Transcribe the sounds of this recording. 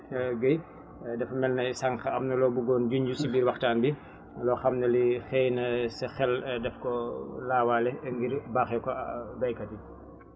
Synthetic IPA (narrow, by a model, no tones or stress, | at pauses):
ɡəj | dɛfɐmɛlnɐjsɐŋxɐɐmnɐlɔːbuɡɔːnd͡ʒuɲɟusibiːɾwɐxtaːnbi | lɔxɐmnɐlixɛːjnɐsɐxɛldɛfkɔlaːwaːlɛŋɡiɾbaːxɛkɔbɐjkɐti